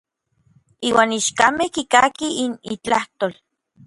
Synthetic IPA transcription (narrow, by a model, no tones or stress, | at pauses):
iːwaːniʃkamehkikakiinit͡ɬaht̪oːl